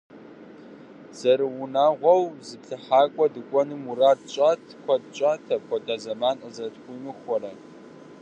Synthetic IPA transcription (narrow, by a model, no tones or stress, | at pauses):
z̥ɐɾɨwʊnaːʁʷɔwzɨpɬɨħaːkʷʼɔdɨkʷʼɔnɨmuraːdɕʼaːtʰkʷʰɔdt͡ʃʼaːtʰɐkʷɔdaːzɐmaːnəzɐtxʷimɨxʷɔɾɐ